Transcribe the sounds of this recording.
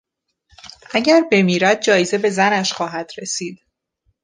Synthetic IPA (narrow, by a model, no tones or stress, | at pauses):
ʔæɟæɾbe̞miːɾæd̪̚d͡ʒɒːjeze̞be̞zænæʃxɒːɦæd̪̥ɾe̞siːd̪̥